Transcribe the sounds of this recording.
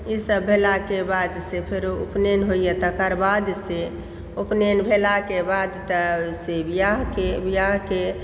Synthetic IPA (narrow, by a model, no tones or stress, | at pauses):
isəbːʱelakebad̪sepʰɪɾṵpnenɦoijet̪əkəɾbad̪se | opnenbʱelakebad̪t̪əsebijaɦkebijaɦke